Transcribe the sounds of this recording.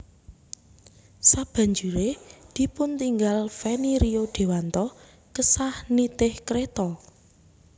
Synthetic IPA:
sab̥ä̤ɲd͡ʒuɾed̪̥i̤pʊnt̪iŋɡalfeniɾioɖ̪̥e̤want̪ɔ | kəsahnit̪ɪhkɾet̪ɔ

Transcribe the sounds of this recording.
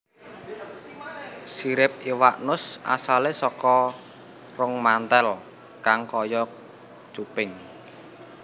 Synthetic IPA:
siɾɪp̚iwaʔnʊsʔa̰salesɔkɔ | rʊŋmant̪ɛl | kaŋkɔjɔ | t͡ʃupɪŋ

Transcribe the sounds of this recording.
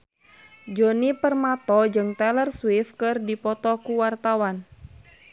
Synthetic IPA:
d͡ʒɔnipərmat̪ɔd͡ʒɨŋt̪ɛlərswifkɨrdipɔt̪ɔkuwart̪awan

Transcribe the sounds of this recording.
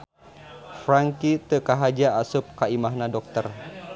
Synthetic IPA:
fɾaŋkit̪əkaɦad͡ʒaasʊp̚kaimaɦnãdɔk̚t̪ər

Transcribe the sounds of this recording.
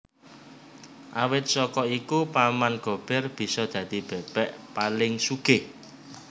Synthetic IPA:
ʔawɪt̪̚sɔkɔikupamanɡ̥o̤b̥ɛ̤rb̥i̤sɔd̪̥ä̤d̪̥i̤b̥ɛ̤b̥ɛʔpalɪŋsuɡ̥e

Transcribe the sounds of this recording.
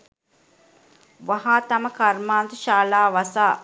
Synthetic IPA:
ʋɐɦaːt̪ɐmɐkɐɾmaːnd̪uʃaːlaːʋɐsaː

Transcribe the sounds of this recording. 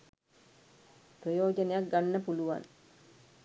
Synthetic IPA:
prəjoːd͡ʒənejak̚ɡanːəpuluʋa̰n

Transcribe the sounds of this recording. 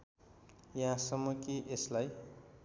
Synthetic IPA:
jaãsʌmukiʔeslaj

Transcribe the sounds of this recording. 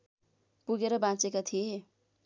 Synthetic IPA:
puɡeɾʌbãt͡sekat̪ʰije

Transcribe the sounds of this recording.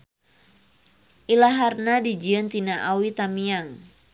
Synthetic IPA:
ʔilaɦarnadid͡ʒiənt̪inaʔawit̪amiaŋ

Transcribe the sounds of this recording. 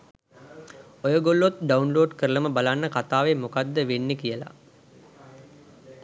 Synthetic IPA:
ojəɡolːot̪ɖaunloːɖkəɾələməbalanːəkat̪aːʋemukad̪ːəʋenːekijəla̰

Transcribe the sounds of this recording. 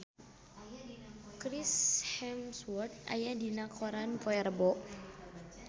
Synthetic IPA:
kɾishɛmswɔrt̪̚a̰jadinakʰɔɾanfɔjɛrbɔʔ

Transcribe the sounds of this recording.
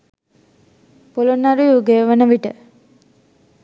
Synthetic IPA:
polonːaɾujuɡejəʋənəʋiʈə̰

